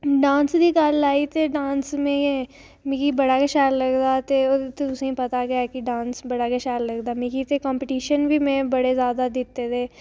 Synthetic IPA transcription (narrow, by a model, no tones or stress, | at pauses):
ɖãːnsd̪ʱikaːlːaːit̪eɖãːnsmẽẽ | mikibɐɽakeʃaːllɐɡd̪at̪eot̪eʊsẽĩpɐt̪aɡjakiɖãːnsbɐɽakeʃaːllɐɡd̪aːmikit̪ekɔ̃ːmpɪʈiːʃənbʱimẽbɐɽezjaːd̪ad̪it̪ːet̪ʰeː